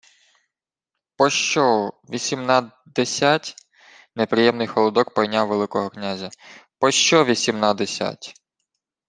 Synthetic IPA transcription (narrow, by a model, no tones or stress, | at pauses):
pɔʃt͡ʃɔʋʲisʲimnɑ | d̪esʲatʲ | nepɾɪjɛmnɪjxɔlˠɔd̪ɔkpɔjnʲaʋelˠɪkɔɦɔknʲazʲɐpɔʃt͡ʃɔʋʲisʲimnad̪esʲa̰tʲ